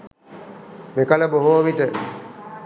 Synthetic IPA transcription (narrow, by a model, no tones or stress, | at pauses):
mekɐləboɦoːʋit̪ə